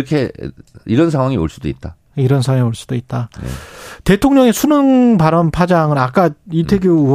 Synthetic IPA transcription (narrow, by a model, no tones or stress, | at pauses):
ʌkʰe̞̰iɾʌnsʰaŋwaŋio̰ɭs͈udoḭt̚t͈a | iɾʌnsʰaŋwaioɭs͈ud̥oit̚t͈a | te̞tʰoŋɲʌŋe̞sʰunɯŋpaɾʌnpʰad͡ʑaŋɯɾak͈aitʰe̞ɡjou